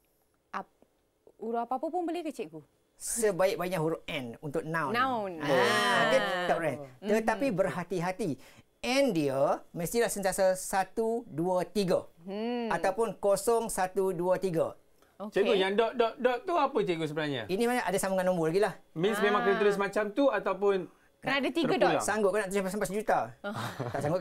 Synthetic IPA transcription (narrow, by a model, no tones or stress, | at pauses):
a | uɾuapapəpʊnbəlikət͡ʃeʔku | səbaɪk̚baiɲaʔɦuɾʊʔɛ̃nunt̪ʊk̚nãwnwnaat̪idɔʔɛnt̪ət̪apibərɦat̪iɦat̪i | ɛ̃ndiəməst̪ilahsənt̪iasasat̪uduət̪iɡə | at̪awpʊnkosɔŋsat̪uduət̪iɡa̰ | t͡ʃək̪ujaŋdɔʔdɔʔdɔʔt̪uapət͡ʃeɡusəbənahɲa̰inimanaʔadasamaŋanɔ̃mbolaɡilahmĩnsmẽmãŋkənat̪̬ulʊs̬mat͡ʃamt̪uat̪awpʊn | nadat̪iaasaŋɡʊt̪̚kanaʔt̪usampasampasd͡ʒut̪a | t̪aʔsaŋɡʊt̪